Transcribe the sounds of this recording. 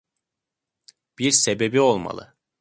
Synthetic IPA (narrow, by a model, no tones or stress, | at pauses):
b̥iɾsebe̞bio̞lˠma̰lˠɯ̰